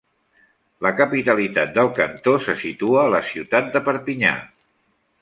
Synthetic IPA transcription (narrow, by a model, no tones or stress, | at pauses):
ləkəpit̪əlit̪at̪̚d̪əlˠkənt̪osəsit̪uəːləsiwt̪at̪̚d̪əpəɾpiɲa̰